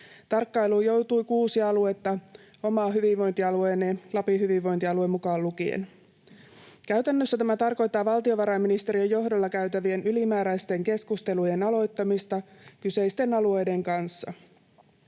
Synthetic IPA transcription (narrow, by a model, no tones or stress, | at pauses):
t̪ɑrkːɑjluːjo̞wt̪ujkuːsiɑɑluet̪ːɑo̞mɑːɦyʋiʋʋo̞jnt̪iɑlueːnelɑpiɦyʋiʋːojnt̪iɑluemːukɑːlːukiḛn | kæɥt̪ænːøsːæt̪æmæt̪ɑrko̞jt̪ːɑːʋɑlt̪io̞ʋɑɾɑjmːinist̪e̞ɾiejo̞ɦdolːɑkæɥt̪æʋie̞nʔylimæːɾæjst̪e̞ŋke̞skust̪e̞luje̞nɑlo̞jt̪ːɑmist̪ɑkyse̞jst̪e̞nɑlue̞jde̞ŋkɑnsːɑ̰